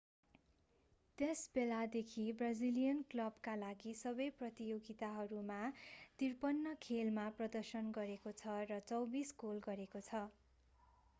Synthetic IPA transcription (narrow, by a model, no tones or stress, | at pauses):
t̪esbelad̪ekʰibrad͡zilijʌnklʌbkalaɡisʌbʌjprʌt̪ijoɡit̪aɦʌɾumat̪irpʌnːʌkʰelmaprʌd̪ʌrsʌnɡʌɾekot͡sʰʌrʌt͡sʌwbiskolɡʌɾekot͡sʰʌ